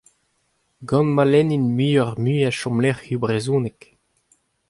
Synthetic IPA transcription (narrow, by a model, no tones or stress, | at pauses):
ɡɑ̃nmalɛninmyːɔʁmyːaʃɔ̃mlɛʁybʁezũːnek